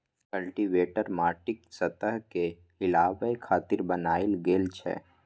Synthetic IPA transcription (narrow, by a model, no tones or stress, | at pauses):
kəlʈiʋeːʈəɾmaːʈɪksɐt̪əɦke | ɪlaːʋəekʰaːt̪ɪɾbɐnaːɪlɡeːlt͡ʃʰɛ̰ː